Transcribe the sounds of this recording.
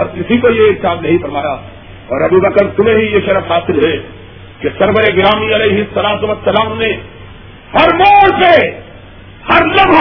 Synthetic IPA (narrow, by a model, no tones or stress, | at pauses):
ɔɾk̪ɪsikojeɪɾsaːd̪nɐɦĩfɐɾmaːja | ɔːɾɐbuːbɐkəɾt̪ʊmẽɦijeʃɐɾəfɦaːsɪlɦɛ | kesɐɾbəɾeɡɪɾaːmiɐleːɦɪsːɐlaːt̪ʊʋɐsːɐlaːmne | hɐɾmoːlse | hɐɾlɐb